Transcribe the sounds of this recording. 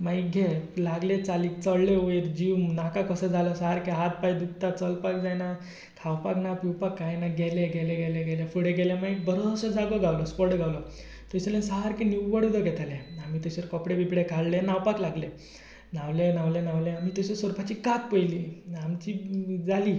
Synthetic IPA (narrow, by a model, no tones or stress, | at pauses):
maiɡʱelaɡlẽt͡saliːkt͡səɽleoet̪d͡ʑiʋnakakəsəd͡zʱalɔsaɦaɾkeɦat̪̚pajd̪uk̚t̪ːat͡səlpakd͡zajna | kʰawpaknapiwpakːajnaɡʱɛleɡʱɛleɡɛlẽɡɛljefuɽeɡɛljãmaikbəɾosəd͡zaɡəɡawlɔspɔɽɡʱawlɔ | t̪ɔsəlẽsəɦaɾkeniwʋəɽud̪əɡʱɛt̪aleamiːt̪eɕəɾkɔpɽebʱipɽekʰaɽlenawpaklaɡle | naʋlenaʋlenaʋlẽamiːt̪eɕesɔɾpʰat͡ɕikak̪̚pəjliamt͡ɕid͡zaliː